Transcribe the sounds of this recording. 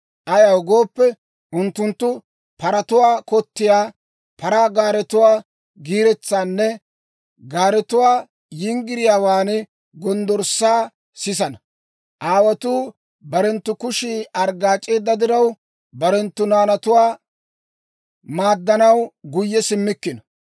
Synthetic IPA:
ʔɐjɐwɡo̞ːpːɛ | ʔʊnt̪ːʊnt̪ːʊ | pɐɾɐt̪ʊwaːkɔt̪ːɪjaː | pɐɾaːɡaːɾɛt̪ʊwaː | ɡiːɾɛt͡sːaːnːɛ | ɡaːɾɛt̪ʊwaː | jɪŋɡɪɾɪjaːwaːnɛ | ɡɔnd̪ɔɾsaː | sɪs̬ɐnɐ | ʔaːwɐt̪uː | bɐɾɛnt̪ːʊkʊʃiɐɾɡaːt͡ʃʼːe̞ːd̪ːɐd̪ɪɾɐw | bɐɾɛnt̪ːʊnaːnɐt̪ʊwaː | maːd̪ːɐnɐwɡʊjːɛsɪmːɪkːɪnɐ

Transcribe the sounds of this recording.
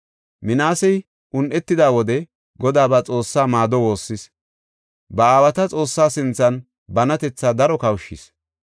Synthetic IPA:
mɪnaːsɛj | ʔʊnʔɛt̪ːɪd̪aːwɔd̪ɛ | ɡɔd̪aːbat͡sʼo̞ːsːaːmaːd̪ɔwo̞ːsːɪs | bɐaːwɐt̪ɐt͡sʼo̞ːsːaːsɪnt͡sːɐn | bɐnɐt̪ɛt͡sːaːd̪ɐɾɔkɐwʃɪ̰s

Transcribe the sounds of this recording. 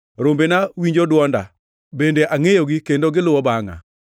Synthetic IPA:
ɾombenawiɲd͡ʒodwɔnda̰ | bendeʔaŋejoɡikendoɡɪlʊwɔbaŋa̰

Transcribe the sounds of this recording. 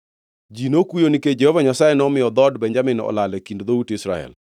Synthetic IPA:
d͡ʒinokujoniked͡ʒɛhovaɲasajɛnɔmɪjɔd̪ɔdbɛɲd͡ʒamɪnɔ̰lalɛkindd̪outɪsɾaɛ̰l

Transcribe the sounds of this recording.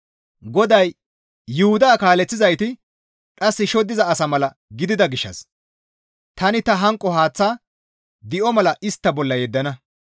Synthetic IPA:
ɡɔd̪ɐjː | ʊhʊd̪aːkaːlɛt͡sːɪzɐjt̪ɪ | kʼɐsːɪʃɔd̪ːɪzɐːsɐmɐlɐ | ɡɪd̪ɪd̪ɐɡɪʃːɐ̰s | t̪ɐnɪt̪ɐɦɐŋkʼːɔɦaːt͡sːaː | d̪ɪʔɔmɐlɐʔɪst̪ːɐbɔlːɐjɛd̪ːɐnɐ

